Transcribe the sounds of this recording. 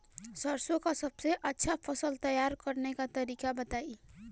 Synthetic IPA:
sʌɾsokasʌbseʔʌtːʃʰapʰʌsʌlt̪ʌjaɾkʌɾnekat̪ʌɾikabʌt̪ai

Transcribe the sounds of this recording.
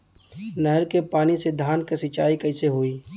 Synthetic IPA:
nɐɦəɾkepaːnised̪ʱaːnkesɪt͡ʃaːikɐɪseɦoiː

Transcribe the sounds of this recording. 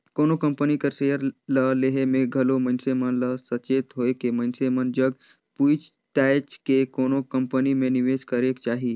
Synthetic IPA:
koːnokəmpənikəɾsejəɾləleɦemẽɡʱəlomənsemənləsət͡ʃeːt̪ɦoekemənsemənd͡ʒəɡ | put͡ʃ | t̪ajt͡ʃkekoːnokəmpənimẽniʋeːd͡ʒkəɾekt͡ʃaːɦiː

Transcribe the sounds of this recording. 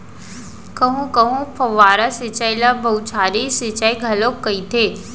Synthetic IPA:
kɐɦũkɐɦũpʰɐʋaːɾasɪt͡ʃajlabɐut͡ʃʰaːɾisɪt͡ʃaiɡʱɐlokːɐit̪ʰeː

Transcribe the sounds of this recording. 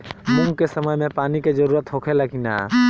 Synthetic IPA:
mʊ̃ŋɡ̚kesəməjmẽpaːniked͡ʒəɾuːɾət̪ɦoːkʰeləɡina̰ː

